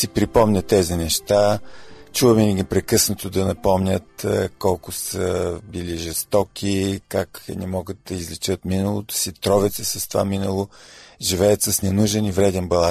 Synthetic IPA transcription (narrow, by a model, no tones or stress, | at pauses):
sipɾipɔmnʲət̪ɛzinɛʃt̪at͡ʃuvəminəɡipɾɛkɤsnət̪od̪ɐnɐpɔmnʲət̪kɔlˠkʊsəbiliʒɛst̪ɔkʰikaknɛmɔɡət̪̚d̪ɐizlɛt͡ʃət̪minəlˠot̪ʊ̥sit̪ɾɔvɛt̪səsɐst̪ova̰minəlˠoʒivɛjət̪səsnɛnuʒɛnivɾɛd̪ɛnbɐlˠa